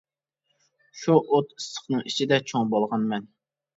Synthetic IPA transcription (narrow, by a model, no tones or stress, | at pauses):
ʃuʔot̪ɨ̥sə̥χnɨŋit͡ʃʰid̪ɛt͡ʃʰoŋbolˠʁɑnmɛn